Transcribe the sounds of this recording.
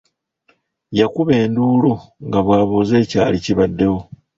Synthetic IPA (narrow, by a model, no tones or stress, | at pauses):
jakuβe̞ːnduːluŋɡaβwaːβoːze̞ːcaːliciβadːe̞wo